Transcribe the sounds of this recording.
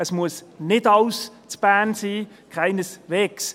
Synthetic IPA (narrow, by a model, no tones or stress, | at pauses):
əsmuəsnɪdɑws | t͡sb̥æːnsiː | kʰaɪnəsʋeːks